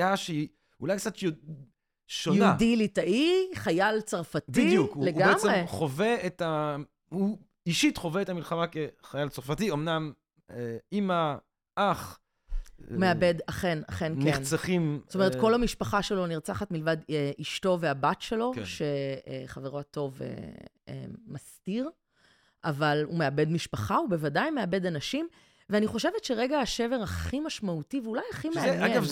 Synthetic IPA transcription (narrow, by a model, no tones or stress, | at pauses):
aʃei | ulajkt͡sat̪ | ʃojnaudilitaʔiχajalt͡saʁfatiijukleɡaemeʁeχoveeta | hu | iʃitχo̞veetamilχamakeχajalt͡saʁfatiomnam | eima | ʔaχ | meabedaχena̰χennkent͡saχimsotomeetkolhamiʃpaχaʃe̞lo̞niʁt͡saχatmilvadeʔiʃto̞veabatʃe̞lo̞ʃe̞χaveʁo̞ato̞vḛḛːastiʁ | ʔavalṵmeabe̞dmiʃpaχaube̞vadajmeabe̞danaʃim | veaniχo̞ʃe̞vetʃe̞ʁeɡaaʃe̞veʁaχimaʃmautiveulajaχimeaeav